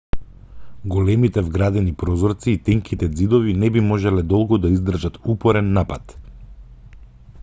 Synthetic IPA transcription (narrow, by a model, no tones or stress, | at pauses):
ɡɔlɛmit̪ɛvɡɾad̪ɛnipɾɔzɔɾt̪siːt̪ɛŋkit̪ɛd̪zid̪ɔvinɛbimɔʒɛlɛd̪ɔlˠɡɔd̪aizd̪r̩ʒat̪upɔɾɛnːapat̪